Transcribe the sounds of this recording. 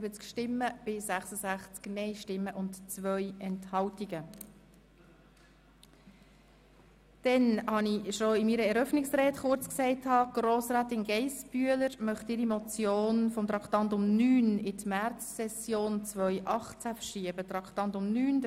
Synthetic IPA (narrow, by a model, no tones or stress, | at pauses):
bət͡skʃtɪmːəb̥ɪsæχsəzæχt͡sknɛɪʃtɪmːəʔʊntt͡sʋœjɛnthɑwtiɡə | d̥ɛnhɑniʃoɪmiːɾəɛɾœfnɪksrɛːtχʊɾt͡sksɛɪthɑːɡ̥ɾoːsɾæːtɪnɡɛɪsb̥yələɾmœχt̪ɪɾimɔt͡sjoːnfɔmt̪ɾɑkχtɑntʊmnyːnɪtmært͡sːɛsjoːnt͡svœʏʔɑχt͡sæfəʃiəbət̪ɾɑkʰtɑntʊmnyːn